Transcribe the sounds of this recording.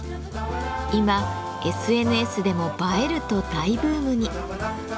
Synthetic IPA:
ima | e̞sɨe̞nɯ̟e̞sɨd̪e̞mo̞bae̞ɾɯ̟t̪o̞d̪aibɯ̟ːmɯ̟ɲ̟i

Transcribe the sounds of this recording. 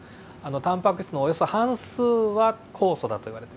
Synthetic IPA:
anot̪ãmpakɯ̟ɕi̥t͡sɨnoːjo̞so̞hãɰ̃sɨːβakʰo̞ːso̞d̪at̪o̞iβaɾe̞t̪e

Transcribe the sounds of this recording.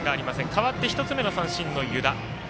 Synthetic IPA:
ɡaːɾʲimasẽ̞ŋkaβat̪ːe̞çi̥t̪o̞t͡sɨme̞nosãɰ̃ɕĩnːo̞jɯ̟d̪a

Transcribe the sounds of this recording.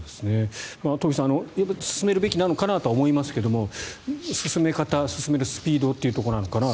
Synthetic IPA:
d̪esɨne̞mat̪oɡʲisãːno̞japːasɨ̥sɨme̞ɾɯ̟be̞kʲinano̞kanat̪oaomo̞imasɨ̥ke̞d̪o̞mo̞sɨsɨme̞kat̪asɨ̥sɨme̞ɾɯ̟sɨ̥pʲiːd̪o̞t̪ːe̞iɯ̟t̪o̞ko̞nano̞kana

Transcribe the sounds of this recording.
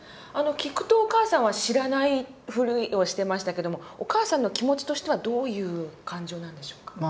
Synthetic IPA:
ano̞kʲikɯ̟̥t̪o̞ːkaːsãɰ̃βaɕiɾanaiɸɯ̟ɾʲɯ̟io̞ɕi̥t̪e̞maɕi̥t̪ake̞d̪o̞mo̞okaːsãnːo̞kʲimo̞t͡ɕi̥t̪o̞ɕi̥t̪e̞βad̪o̞ːjɯ̟ːkãɲ̟d͡ʑo̞ːnãnd̪e̞ɕo̞ːkḁ

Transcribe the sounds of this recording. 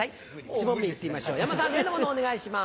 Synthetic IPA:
ai | t͡ɕimomːʲiit̪ːeimaɕo̞ːjamasãnɡ̪end̪omonoːne̞ɡaiɕima

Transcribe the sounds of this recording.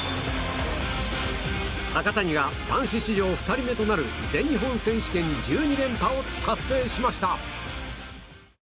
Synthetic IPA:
hakat̪aɲ̟iɡad̪ãɰ̃ɕiɕiʑo̞ːɸɯ̟̥t̪aɾʲime̞t̪o̞naɾɯ̟d͡zẽ̞ɲːiɦõ̞ɰ̃sẽ̞ɕi̥kẽ̞ɲ̟ːid͡ʑɨːɲ̟id̪ẽ̞mpaokasːe̞ːɕimaɕi̥t̪a

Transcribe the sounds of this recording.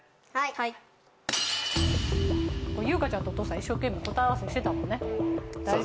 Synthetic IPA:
kojɯ̟ːkat͡ɕãnt̪oːt̪osaiɕːo̞ːkẽ̞mʲːiko̞t̪aβasɨoɕi̥t̪et̪amõ̞nːe̞

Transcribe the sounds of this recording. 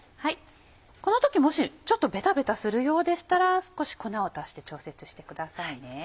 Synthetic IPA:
hai | ko̞no̞t̪o̞kʲimo̞ɕit͡ɕo̞t̪ːo̞be̞t̪abe̞t̪asɨɾɯ̟jo̞ːd̪e̞ɕi̥t̪aɾasɨ̥ko̞ɕi̥ko̞naot̪aɕi̥t̪e̞t͡ɕo̞ːse̞t͡sɨ̥ɕi̥t̪e̞̥kɯ̟d̪asaine̞

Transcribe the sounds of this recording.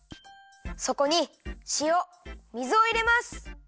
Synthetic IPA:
so̞ko̞ɲ̟iɕio | mʲizɨoiɾe̞masɨ̥

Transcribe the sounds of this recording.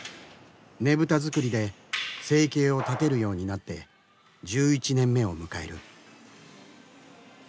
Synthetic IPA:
ne̞bɯ̟t̪azɨkɯ̟ɾʲid̪e̞se̞ːke̞ːo̞t̪at̪e̞ɾɯ̟jo̞ːɲ̟inat̪ːe̞̰ | d͡ʑɨːit͡ɕinẽ̞mːe̞o̞mɯ̟kae̞̰ɾɯ̟̰

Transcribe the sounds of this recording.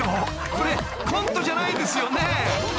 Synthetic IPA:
o | koɾe | kʰõnt̪o̞ʑanaid̪e̞sɨjo̞ne

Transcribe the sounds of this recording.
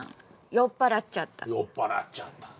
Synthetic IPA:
jopaɾat͡ʃːat̪a̰jopaɾa̰t͡ʃːat̪ḁ

